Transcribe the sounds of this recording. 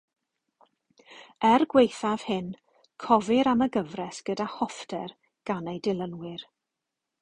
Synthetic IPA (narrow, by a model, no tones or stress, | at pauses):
ɛrɡwejθav̥hɪn | kʰɔvɪɾaməɡəvrɛsɡ̥ədahɔfdɛr | ɡ̥anejdɪlˠənwɪr